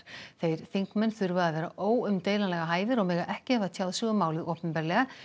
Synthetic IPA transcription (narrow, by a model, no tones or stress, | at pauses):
θejɾ̥θiŋkmɛnːθʏɾvʏðaðθɛːɾa̰ʔoːwʏmt̪ejlanlɛɣaɦaːjvɪɾɔɣmɛːɣaʔɛhcɪhɛvðat̪ʰjaːwðsʏɣʏmaːwlɪʔohpɛmpɛɾlɛɣa